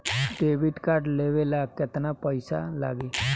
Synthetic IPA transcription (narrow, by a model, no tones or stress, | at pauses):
ɖeːʋɪɖkaːɾʈleʋelakɪt̪napəɪsa̰la̰ːɡeː